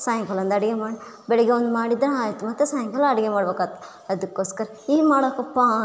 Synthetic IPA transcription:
saːjɐŋkɐlɐnd̪ɐɽiɡemaːɽbɛɭɛɡeond̪umaːɽid̪ːɐɾaːjt̪umɐt̪ːesaːjɐŋkɐlːɐɽɐɡemaːɽbekaːt̪ːe̥ | ɐd̪ukːoːskɐɾɐ | iːmaːɽɐkɐpːa

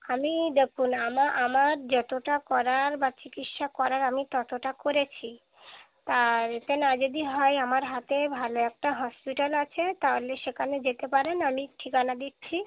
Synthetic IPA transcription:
amid̪ekʰunamaʔamaɾd͡ʑɔt̪oʈakɔɾaɾbat͡ɕikiʈʃakɔɾaɾamit̪ɔt̪oʈakoɾet͡ɕʰi | t̪aɾet̪enad͡ʑod̪iɦɔeamaɾɦat̪ebʱaloɛk̚ʈaɦɔspiʈalat͡ɕʰet̪aɦoleʃekʰaned͡ʑet̪epaɾenamiʈʰikanad̪ett͡ɕʰi

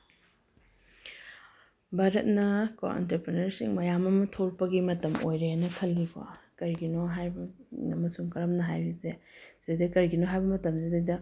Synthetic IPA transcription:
baɾɐt̚nɐko̰ḛntɐpɾenɐɾsḭŋmɐjamɐmɐtʰoɾpɐɡimɐtɐmʔo̰jɾeanɐkʰɐlːika̰kɐɾɡinoɦajbɐɐmɐsuŋkɐɾɐmnɐɦajbizez̥idɐkɐɾɡinoɦajbɐmɐtɐmzidɐjdɐ

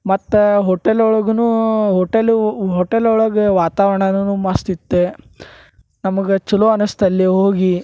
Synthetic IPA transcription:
mɐt̪ːuɦoʈelɔɭɐɡɐnuɦoʈelɦɔʈelɔɭɐɡeʋaːt̪aːʋɐɳɐnnuːmaːst̪it̪ːe | nɐmɐɡet͡ʃuloɐnust̪ɐlːiɦoːɡi

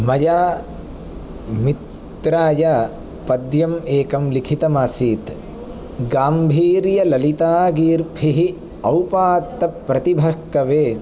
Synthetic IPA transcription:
mɐjaː | mit̪ːɾaːja | pɐd̪jɐmeːkɐmlikʰit̪ɐmaːsiːt̪ | ɡaːmbʱiːɾjɐlɐlit̪aːɡiːɾpʰiɦi | ɐwpaːt̪ːɐpːɾɐt̪ibʱɐkːɐʋeː

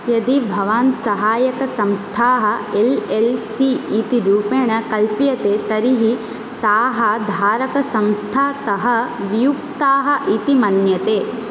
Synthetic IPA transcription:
jɐd̪ibʱɐʋaːnsɐɦaːjɐkɐsɐ̃mst̪ʰaːɦɐ̆elelsiːt̪iɾuːpeːɐkɐlpjɐt̪eːt̪ɐɾiɦi | t̪aːɦɐd̪ʱaːɾɐkɐsɐ̃mst̪ʰaːt̪ɐɦɐ̆ʋijukt̪aːɦɐ̆ʔit̪imɐnjɐt̪eː

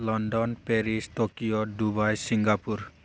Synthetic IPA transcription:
lɔnɖɔnpeɾisʈokijodubajsiŋɡapuɾ

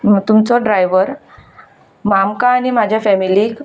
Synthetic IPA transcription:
t̪umt͡sɔɖɾajʋəɾ | mamkãːnimad͡ʑʱjafɛmiliːk

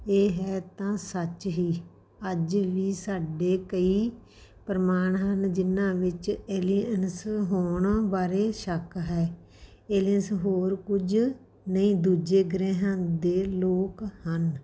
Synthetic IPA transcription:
eːɦɛːt̪ãːsət͡ʃɦiː | əd͡ʒʋiːsaːɖeːkəiː | pɾəmaːɳɦənd͡ʒɪnãːʋɪt͡ʃeːliənsɦoːɳbaːɾeːʃəkɦɛː | eːliənsɦoːɾkʊd͡ʒ | nəĩːd̪uːd͡ʒeːɡɾɛːɦãːd̪eːloːkhən

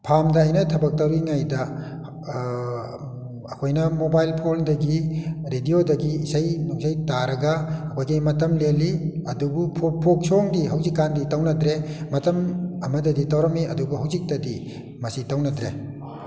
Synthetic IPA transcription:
pʰamdɐːjnɐtʰɐbɐk̚tɐɾiŋajdɐ | ɐkʰojnɐmobajlpʰondɐɡiɾediodɐɡiːsajnuŋsajtaɾɐɡɐɐkʰojɡimɐtɐmleliɐdubupʰopʰok̚soŋdiɦɐwzikːanditɐwnɐdɾemɐtɐmɐmɐdɐditɐwɾɐmiɐ̰dubuɦɐwzik̚tɐdi | mɐsitɐwnɐdɾe

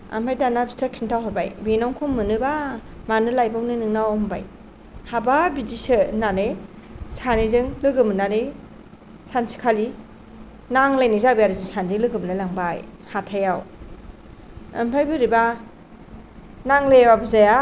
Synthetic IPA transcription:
a̰mpʰajdanabstʰak̚sʰintʰawɦaba̰jbenawŋkʰumːɯnɯbamanɯlajbawnɯnɯŋnawmba̰j | hababidisɯnane | sanezɯŋlɯɡɯmɯnaɾe | sansi̥kʰali | naŋlajnizabijaɾizɯŋsandilɯɡɯmnalaŋbaj | hatʰajaw | a̰mpʰajbɯɾiba | naŋlebabɯzaja

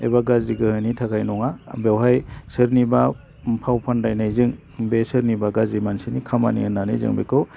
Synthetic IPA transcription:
ḛbaɡaziɡɯhɯnitʰakʰajnɔŋabewɦajsɯɾniba | pʰawpʰandajnajzɯŋ | besɯɾnibaɡazimansinikʰama̰nḭɯnanajzɯ̰ŋbḛkʰɯ

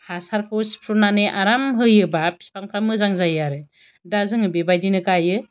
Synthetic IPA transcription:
hasaɾkʰɯwspʰɾunanɯʔaɾamɦɯjɯbapʰi̥spʰaŋpʰɾamɯzaŋzajaɾɯ | dazɯŋɯbebajdinɯkajɯ

